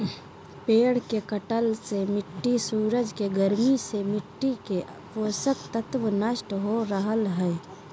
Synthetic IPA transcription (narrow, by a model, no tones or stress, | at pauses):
peːɽ̤kekəʈəlsemɪʈːisuːɾəd͡ʒkeɡəɾmisemɪʈːike | poːsəkt̪ət̪ʋənəʃʈɦoɾəɦəlɦɛː